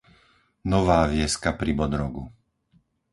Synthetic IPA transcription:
nɔʋaːʋɪɛskapɾibɔd̪ɾɔɡu

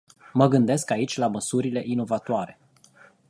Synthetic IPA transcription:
məɡɨnd̪e̞skait͡ʃʲlaməsuɾile̞ʔino̞vat̪oaɾe̞

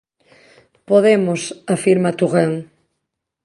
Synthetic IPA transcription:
poðemosafiɾmat̪uɣeŋ

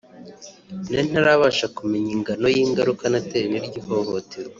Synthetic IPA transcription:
nen̥haɾaβaʃakumiɲiŋɡano̞jiːŋɡaɾukanateniɾɟiho̞ɦotʰeɾwa

